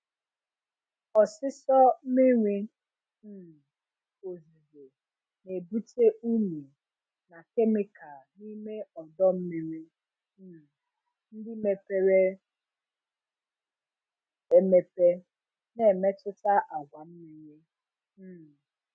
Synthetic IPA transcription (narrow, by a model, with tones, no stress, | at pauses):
ɔ˨sɪ˦sɔ˦me˦ŋʷi˦˨ | o˨zi˨ze˨ | ne˨bu˦te˦ʔu˦ne˨ | na˨ke˦mɪ˦ka˨ni˦me˦ɔ˨dɔ˦m̩˦mi˦ɾʷi˦˨ | n̩˦dɪ˦me˨pe˦ɾe˦ | e˨me˨pe˦ | ne˨me˦tʊ˦ta˦ʔa˨ɡʷa˨m̩˦mi˦ɾʷi˦˨